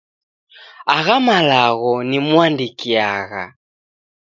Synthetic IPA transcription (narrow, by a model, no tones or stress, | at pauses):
aɣamalaɣɔnimwandikiaɣa̰